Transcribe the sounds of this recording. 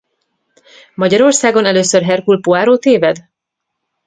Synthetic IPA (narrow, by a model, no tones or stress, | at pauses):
mɒɟɒɾo̞rsaːɡo̞nɛløːsørɦɛrkulpoaːɾoːt̪eːvɛd̪